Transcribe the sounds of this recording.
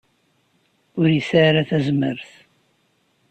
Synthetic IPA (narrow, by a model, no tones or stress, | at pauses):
ʊɾjəsaɾaθæzmə̰ɾθ